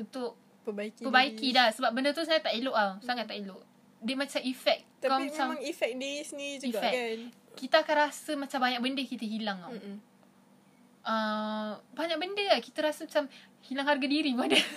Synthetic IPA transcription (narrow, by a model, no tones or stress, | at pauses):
unt̪ʊʔ | pəbaikipəbaikidahsəbap̚bəndət̪usaat̪ːaʔiloʔawsaŋat̪ːaʔiloʔ | dəmat͡ʃamifɛk̚k̪aamat͡ʃamaŋifɛk̚desnid͡ʒuiɡafɛan | kit̪aakanɾrasəmat͡ʃambaɲak̚bəndəkit̪əɦilaŋaw | ʔə | baɲak̚bəndəakit̪əɾasəmat͡ʃamhilaŋɦarɡadiɾibuadə